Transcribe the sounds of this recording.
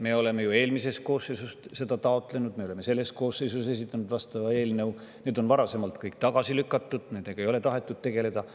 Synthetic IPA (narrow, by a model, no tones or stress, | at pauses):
me̞o̞le̞me̞jue̞ːlmisest̪̚ko̞ːsːejsust̪se̞d̪̥ɑt̪ɑo̞t̪ˑle̞nud̪̚me̞ole̞me̞se̞lːe̞s̚ko̞ːsejsus̬e̞s̬it̪ːˑɑnud̪̥vɑst̪ɑvɑe̞ːlnew | ne̞ːd̪o̞nvɑɾɑse̞mɑlt̪kɯjk̚t̪ɑɡ̥ɑsilykːˑɑt̪ːˑud̪̥neːd̪̥eɡ̥ɑe̞jo̞le̞t̪ɑɦe̞t̪ːˑud̪̚t̪e̞ɡ̥e̞le̞d̪̥ɑ